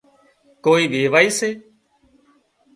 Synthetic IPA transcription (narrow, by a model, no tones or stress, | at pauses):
koːiːʋeːʋaːiːseː